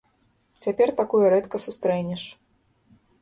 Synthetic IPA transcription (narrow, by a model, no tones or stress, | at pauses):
t͡sʲapʲɛrt̪akujuɾɛt̪kɐsust̪ɾɛnʲɛʂ